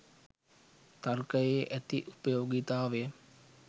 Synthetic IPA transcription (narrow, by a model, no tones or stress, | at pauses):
t̪arkəjeːʔæt̪iʔupəjoːɡit̪aːʋe